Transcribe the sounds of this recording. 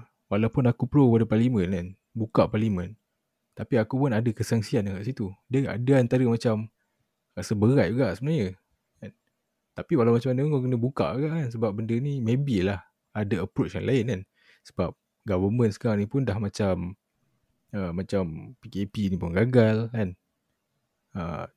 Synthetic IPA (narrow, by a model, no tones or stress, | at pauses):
walawpʊnakupəlopadəparlimənan | bukaʔpalimə̃n | t̪apiakupʊnadakəsaŋsiandəkaʔsit̪udəa̰dəant̪aɾəmat͡ʃam | ɾasəbəɣajuɡaʔsəbənahɲə | an | t̪apiwalawmat͡ʃamanə̃punkak̬ənəbuka̰ʔuɡaʔkansəbap̚bəndənimẽbilah | adaəpɾot͡ʃja̰ŋlʔaɪnkan | sə̥bap̚ | ɡavəmə̃nsə̥kaɾaŋnipʊndahmãt͡ʃam | əmːat͡ʃampikepinipʊnɡaɡalkan | ə̰